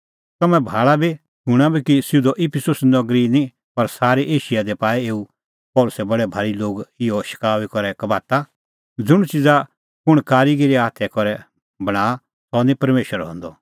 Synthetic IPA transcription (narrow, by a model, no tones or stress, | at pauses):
t̪ɐmɛ̃bʱaːɭabi | kũɽ̃abʱikisɪud̪ɔʔipʰɪsʊsnɐɡɾinĩ | pɐɾsaːɾiʔeːʃijad̪ɛpaːɛeːu | pɔːlʊsɛbɐɽɛbʱaːɽiloːɡɪjɔʃɪ̥kaːʋikɔɾɛkɐbaːt̪a | d͡zʊɽ̃t͡ʃɪd͡za | kʊɽ̃kaːɾiɡiɾiaːt̪ʰɛkɔɾɛ | bɐɽ̃aː | sɔnĩpɐɾmeːʃəɾɦɔ̰̃nd̪ɔ